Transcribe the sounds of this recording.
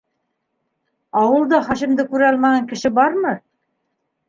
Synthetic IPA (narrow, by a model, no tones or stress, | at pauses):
ɑwɤ̆lˠd̪ɑχɑʃĭmd̪ɘkʉɾɘɑlˠmɑʁɑŋkɘ̆ʃɘbɑɾmɤ